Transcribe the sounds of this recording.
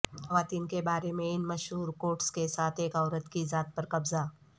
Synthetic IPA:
hɦɐʋaːt̪iːnkebaːɾemẽɪnmɐʃɦuːɾkoːʈskesaːt̪ʰeːkɔːɾət̪kizaːt̪̚pɐɾkɐbza

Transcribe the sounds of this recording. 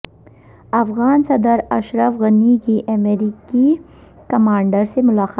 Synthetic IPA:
ɐfɣaːnsɐd̪əɾɐ̰ʃɾəfɣɐnikiʔɐmeɾiki | kɐmaːɳɖəɾsemʊlaːqː

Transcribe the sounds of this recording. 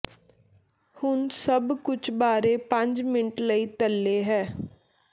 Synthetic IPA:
hʊnsəbkʊt͡ʃʰbaːɾeːpə̃ɲd͡ʒmɪnʈləiːt̪əlːeːɦɛː

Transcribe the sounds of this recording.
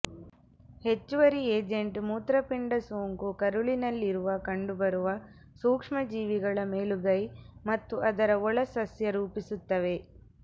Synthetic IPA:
he̞t͡ʃːuʋɐɾieːd͡ʒeɳʈmuːt̪ɾɐpiɳɖɐsoːŋkukɐɾuɭinɐlːiɾuʋɐkɐɳɖubɐɾuʋɐ | suːkʂmɐd͡ʒiːʋiɡɐɭɐmeːluɡɐjmɐt̪ːuʔɐd̪ɐɾɐɔɭɐsɐsjɐɾuːpisut̪ːɐʋe̞

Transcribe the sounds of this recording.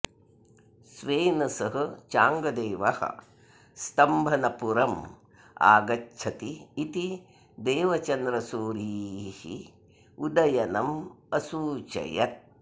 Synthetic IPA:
sʋeːnɐsɐɦɐt͡ʃaːŋɡɐd̪eːʋɐ̰hɐ̰ | st̪ɐmbʱɐnɐpuɾɐm | a̰ːɡɐt͡ʃʰɐt̪iːt̪i | d̪eːʋɐt͡ʃɐnd̪ɾɐsuːɾiːhḭ | ud̪ɐjɐnɐmɐsuːt͡ʃɐ̰jɐ̰t̪̚

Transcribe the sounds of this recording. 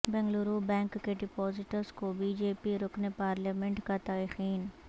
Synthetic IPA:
bɛ̃ŋɡluɾubɛ̃ːŋkːeɖɪpɔːzɪʈəɾskobiːd͡ʒeːpiɾoknepaːɾlaːmẽɳʈkat̪aːɾixiːn

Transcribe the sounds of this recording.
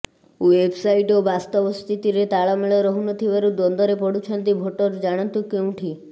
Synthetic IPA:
uwebsaiʈobast̪ɔbɔst̪ʰit̪iɾet̪aɭɔmeɭɔɾɔɦunɔt̪ʰibaɾud̪ɔnd̪ɔɾepɔɽut͡ʃʰɔnt̪ibʱoʈɔɾd͡ʒaɽ̃ɔnt̪ukeũʈʰi

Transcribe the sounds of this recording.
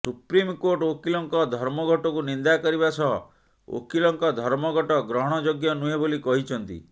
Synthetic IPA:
supɾimkoʈokilɔŋkɔd̪ʱɔɾmɔɡʱɔʈɔkunind̪akɔɾibasɔɦɔ̰ | o̰kilɔŋkɔd̪ʱɔɾmɔɡɔʈɔɡɾɔɦɔɽ̃ɔd͡ʒoɡjɔnuɦebolikɔɦit͡ʃʰɔnt̪ḭ

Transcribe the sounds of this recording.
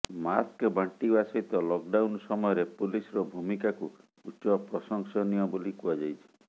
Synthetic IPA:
maskbʱaɳʈibasɔɦit̪ɔlɔk̚ɖawnsɔmɔjɔɾepulisɔɾɔbʱumikaku | ut͡ʃɔpɾɔsɔŋsɔnijɔbolikuad͡ʒajt͡ʃʰi̥

